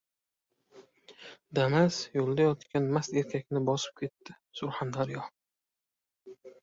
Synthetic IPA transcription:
d̪amazjolˠd̪ajɒt̪kʲanmast̪e̞ɾkʲʰakʲnɪbɒsɪ̥p̚kʲʰe̞t̪ːɪ | sʊɾhand̪aɾjɒ

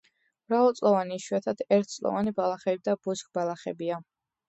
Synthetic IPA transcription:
mɾavɔlˠt̪sʼlˠɔvaniːʃwɛt̪ʰad̪̥ɛɾt̪̚ʰt̪sʼlˠɔ̰vanibalˠaχɛbid̪abuskʼbalˠaχɛbia

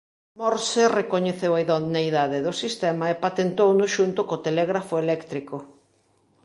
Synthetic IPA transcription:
mɔɾserekoɲeθewajðonajðaðeðosist̪emɐepat̪ent̪ownʊʃunt̪ʊkot̪elɛɣɾafoelɛkt̪ɾiko

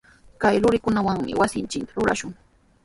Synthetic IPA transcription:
kajlʊɾɪkʊnawaŋmɪ̰wasɪnt͡ʃɪkt̪ḁɾʊɾa̰ʃʊŋ

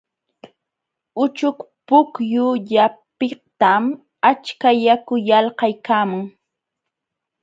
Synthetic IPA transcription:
ʊt͡ʃʊk | pʊkjʊʎapɪt̪am | at͡ʃkajakʊjɑlhɑjkaːmʊŋ

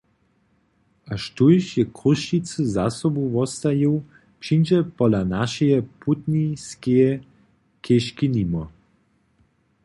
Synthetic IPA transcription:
aʃtujʃjɛkuʃit͡sɨzasɔbuvɔst̪ajuw | pʃind͡ʒɛpɔlanaʃɛjɛpʰut̪niskejɛ | kʰeʃkinimɔ

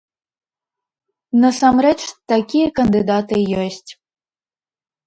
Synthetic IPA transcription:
nɐsamɾɛt͡ʃt̪akʲijɐkɐnd̪ɨd̪at̪ɨjɔsʲtʲ

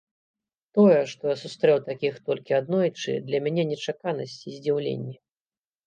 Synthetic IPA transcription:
t̪ɔjɛʂt̪ɔjasust̪ɾɛwt̪akʲixt̪ɔlʲkʲiad̪nɔjt͡ʂɨ̰d̪lʲɐmʲanʲɛnʲɛt͡ʂakanɐsʲt͡sʲizʲd͡zʲiwlʲḛnʲːi

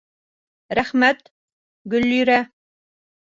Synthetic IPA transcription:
ɾæχmæt̪ | ɡɵ̆lːyɾæ

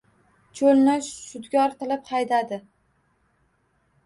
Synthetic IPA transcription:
t͡ʃʰolˠnɪʃʊd̪ɡʲɒɾt̪ɪlɪpχɑjd̪ad̪ɪ

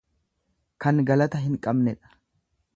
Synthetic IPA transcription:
kɐnɡɐlɐt̪ɐɦɪŋkʼɐbnɛᶑɐ̥

